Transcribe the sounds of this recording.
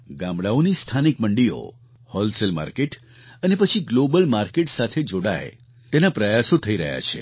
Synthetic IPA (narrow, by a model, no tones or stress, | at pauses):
ɡãmbɽaonist̪ʰanikməɳɖijo̰ | hɔlselma̰ɾkeʈ | ənepət͡ʃʰiɡlobəlmaɾkeʈsat̪ʰed͡ʒoɽa̰ḛ | t̪enapɾəjasot̪ʰəiɾə̰ɦja̰t͡ʃʰḛ